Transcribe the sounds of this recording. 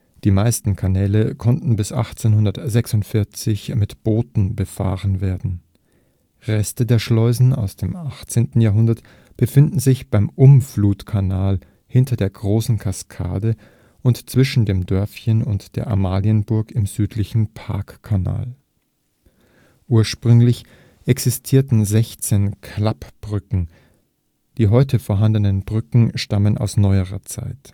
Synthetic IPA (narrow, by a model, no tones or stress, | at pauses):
d̥iːmaɪstn̩kʰanɛːləkʰɔntn̩bɪsʔa̰χt͡seːnhʊndɐtz̥ɛksʊntfɪɐt͡sɪçmɪtb̥oːtn̩bəfa̰ːʁənveːɐdn̩ | ʁɛstədeːɐʃlɔʏzn̩a̰ʊsd̥eːmʔaχt͡seːntn̩jaɐɦʊndɐt | b̥əfɪndn̩zɪçb̥aɪmʔʊmfluːtkʰanaːl | hɪntʰɐdeːɐɡʁoːsn̩kʰaskʰa̰ːdə | ʔʊntt͡sv̥ɪʃn̩deːmdœɐfçənʊntd̥eːɐʔa̰maːliənbʊɐkɪmzyːtʰlɪçn̩pʰa̰ɐkkʰːana̰ːl | ʔuːɐʃpʁ̥ʏŋlɪç | ʔɛksɪstʰiːɐtn̩zɛçt͡seːnkʰlapb̥ʁʏkŋ̩ | d̥iːɦɔʏtʰəfoːɐɦandənənbʁʏkŋ̩ʃtaməna̰ʊsnɔʏəʁɐ̰t͡sa̰ɪt